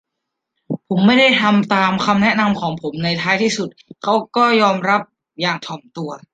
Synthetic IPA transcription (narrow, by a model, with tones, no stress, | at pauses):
pʰo˩˦mːa˥˩jda˥˩jt̪ʰa˧mt̪aː˧mkʰa˧mnɛ˦˥na˧mkʰɔː˩˦ŋpʰo˩˦mna˧jt̪ʰaː˦˥jt̪ʰiː˥˩su˨˩t̪̚kʰa˦˥wkɔː˥˩jɔː˧mɾa˦˥p̚ | jaː˨˩ŋt̪ʰɔː˨˩˦mt̪u˧ɐ